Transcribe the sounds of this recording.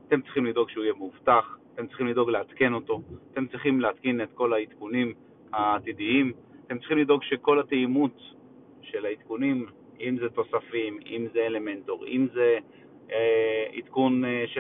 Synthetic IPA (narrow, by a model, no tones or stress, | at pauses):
at̪e̞mt͡sʁiχimlido̞ɡʃeujemuvtaχat̪e̞mtt͡siχimlid̪o̞ɡleat̪ke̞no̞to̞at̪e̞mt͡sʁiχimleat̪kinet̪ko̞lait̪kunim | haːt̪idiim | at̪emt͡sʁi̥χimlido̞ɡʃeko̞lat̪eimut̪ | ʃe̞lait̪kunim | imzet̪o̞safimimzeele̞mentoʁimze | ḭt̪kunʃe